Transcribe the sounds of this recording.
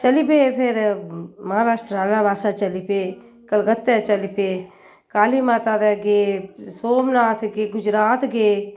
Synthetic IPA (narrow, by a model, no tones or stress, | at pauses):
t͡ʃɐlipepʰeɾmɐɦãːɾaːʂʈɾaːlãbaːsat͡ʃɐlipe | kəlɡət̪ːet͡ʃɐlipe | kaːlimãt̪aːd̪eɡeːsoːmnaːt̪ʰɡeɡʊd͡ʒɾaːt̪ɡeː